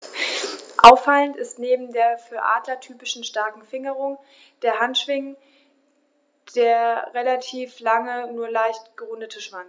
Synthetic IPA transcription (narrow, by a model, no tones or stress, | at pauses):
ʔaʊfaləntɪstneːbm̩deːɐfyːɐʔa̰ːdlɐtʰyːpɪʃn̩ʃtaɐkŋ̩fɪŋəʁʊŋ | d̥eːɐɦantʃv̥ɪŋ | d̥eːɐʁelatʰiːflaŋənuːɐlaɪçtɡ̥əʁʊndətʰəʃv̥aŋ